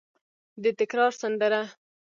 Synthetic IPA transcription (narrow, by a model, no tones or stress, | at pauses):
d̪ət̪ɪkɾɑɾsand̪əɾa